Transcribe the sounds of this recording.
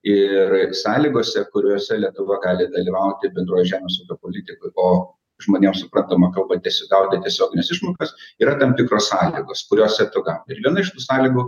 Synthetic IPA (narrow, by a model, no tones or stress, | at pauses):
ɪrsɑːlʲiːɡoːsʲɛkʊɾʲoːsʲɛlʲiɛt̪ʊʋɐɡɑːlʲɪd̪ɐlʲiʋɐʊt̪ʲɪbʲɛnd̪ɾoːjɪʒʲæːmʲɛsuːkʲoːpoːlʲɪt̪ʲɪkʊɪʔoː | ʒmoːnʲeːmsʊpɾɐnt̪ɐmɐkɐlˠbɐt̪ʲiɛsʲɡ̪ɐʊt̪ʲɪt̪ʲiɛsʲoːɡʲɪnʲɛsɪʃmoːkɐsiːɾɐt̪ɐmt̪ʲɪkɾoːssɑːlʲiɡoːskʊɾʲoːsʲɛt̪ʊɡɐlˠɐɪɾʋʲiɛnɐɪʃt̪uːsɑːlʲiːɡʊː